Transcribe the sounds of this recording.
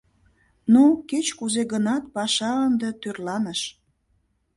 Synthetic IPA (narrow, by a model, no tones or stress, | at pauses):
noket͡ɕkuzeɣənɑt̪̚pɑʃɑənd̪et̪yrlɑnəʃ